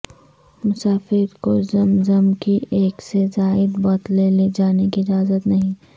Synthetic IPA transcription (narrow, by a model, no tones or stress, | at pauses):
mʊsaːfɪɾkozɐmzɐmkieːksezaːɪd̪bɔːt̪leled͡ʒaːnekiɪd͡ʒaːzət̪nɐɦĩː